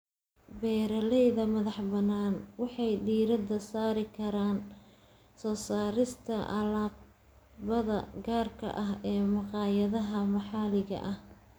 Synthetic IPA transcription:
bɛːɾɐlɛjðɐmɐðɑħbɐnaːnwɑħɑjdiːɾɐd̪ɐsaːɾɪkʰɐɾaːn | sɔːsaːɾɪst̪ʰɐʔɐ̰laː | bɐðɐ̰ɡaːrkʰɐ̰ʔɐɦɛːmɑqɑːjɐðɐɦɐmɑħɑːlɪɣɐ̰ʔɐh

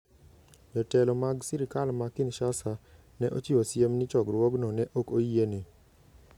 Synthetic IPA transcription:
ɲɔtɛlɔmaɡsiɾikalmakɪnʃasa | nɛʔo̰t͡ʃiwosjemnɪt͡ʃɔɡɾwɔɡnɔnɛʔokoiene

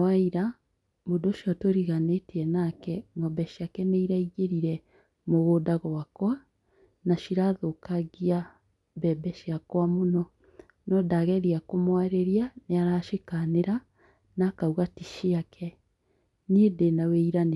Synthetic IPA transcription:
aiɾa | modoʃiɔtoɾiɣaneteɛnakɛŋɡɔbɛʃiakɛneiɾaiɣeɾiɾɛ | moɣodaɣɔwakwa | naʃiɾaðokaɣia | bɛbɛʃiakwamonɔ | nɔdaɣɛɾiakomwaɾeɾianeaɾaʃekaneɾa | nakauɣatiʃiakʰɛ | neːdenaweiɾane

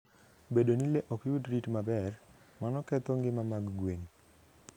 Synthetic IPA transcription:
bedonileʔɔkjudɾitmabɛr | manɔkɛt̪ɔŋɡɪmamaɡɡweɲ

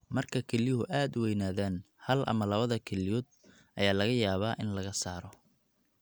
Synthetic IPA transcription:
mɐrkʰɐkʰɛlɪjɦʊʔaːd̪wɛjnaːðaːn | hɐlʔɐ̰mɐlɐβɐðɐkʰɛlɪjɔːd̪̚ | ʔɐjaːlɐɣɐjaːβaːʔɪnlɐɣɐsaːɾɔ

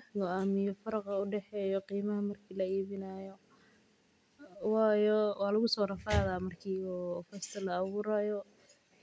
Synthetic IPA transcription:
ɡɔamɪjɔfɐɾɑqɑʊɖɛħɛːjɔqiːmɐɦɐmɐrkʰiːlɐiːβɪnaːjɔ | wɑːjɔwɑːlʊɣʊsɔːɾɐfaːðaːmɐrkʰiːɔfɛst̪ʰɐlɐːβuːɾajɔ

